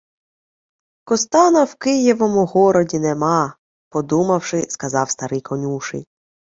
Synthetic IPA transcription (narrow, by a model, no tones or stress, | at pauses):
kɔst̪ɑnɐwkɪjiʋɔmʊɦɔɾɔdʲinemɑ | pɔd̪umɐwʃɪskɐzɑwst̪ɐɾɪjkʰɔnʲuʃɪ̰jʲ